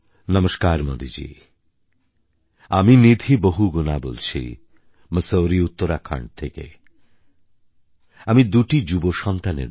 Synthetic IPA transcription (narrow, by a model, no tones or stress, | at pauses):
nʌmoʃkaɾmod̪id͡ʑḭ | aminid̪ʱiboɦuɡunabo̰lt͡ɕʰḭ | məsowɾiut̪ːoɾakʰa̰ɳɖt̪ʰekḛ | amid̪uʈid͡ʑuboʃɔnt̪anḛ